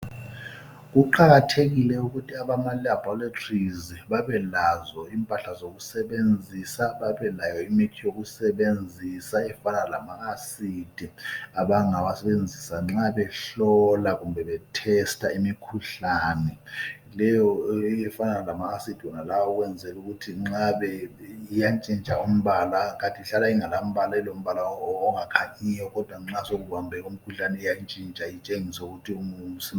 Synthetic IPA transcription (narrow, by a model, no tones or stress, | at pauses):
k̬uǃaɣatʰeɣ̬ilɛuk̬utʰiaɓamalaabʱɔlatʰriziɓaɓɛlazɔiːmpʼaɬazok̬usɛɓend͡zʱisaɓaɓɛlajɔimitʰijok̬usɛɓend͡zʱisaɛfanaalamaasiːd̥ʱiaɓaŋawasɛɓend͡zʱisaŋ͡ǁaɓɛɬɔlaɣumbʱɛɓɛtʰɛstʰaimikʰuɬaːnɛ | lɛjɔjɛfananalamaɣasid̥ʱiwɔnalawɔɣwɛnd͡zʱɛluɣutʰiŋ͡ǁaβɛijant͡ʃʼint͡ʃʼaum̩βalaɣantʼiiɬalaiŋalam̩βalaɛlom̩βalaːŋakʰaɲijɔɣɔd̥ʱwaŋ͡ǁasoɣuβambʱɛɣum̩kʰuɬanɛijant͡ʃʼint͡ʃʼait͡ʃʼeŋisauɣutʰiuŋusi